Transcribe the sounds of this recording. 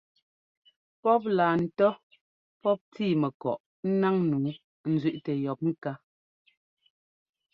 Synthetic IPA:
pɔ˦p̬̚laː˨n̩˨tɔ˦ | pɔ˦p̚tiː˦˨mɛ˨kɔ̰˨ʔ | n̩˦na˦ŋnuː˨˦ | n̩˨zɥi˦ʔtɛ˨jɔ˨p̚mi˦ka˦

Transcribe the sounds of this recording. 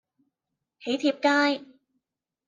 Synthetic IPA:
he˨˩˦jt̪ʰi˨˩əp̚kaː˧j

